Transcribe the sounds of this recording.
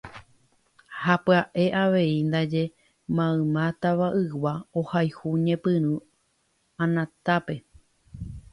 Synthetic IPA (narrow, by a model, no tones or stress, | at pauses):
hapɨaʔe̞ʔaʋe̞ind̪ad͡ʒe̞ | mãɨ̃mãt̪aʋaʔɨwaohajhuɲẽpɨ̃ɾ̃ɨ̃ | ãnãt̪ape̞